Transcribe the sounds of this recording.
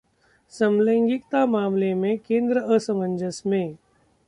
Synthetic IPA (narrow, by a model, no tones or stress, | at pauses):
səmlə̃ŋɡɪkt̪amaːmlemẽkẽːnd̪ɾəʔəsəmə̃ɲd͡ʒəsmẽ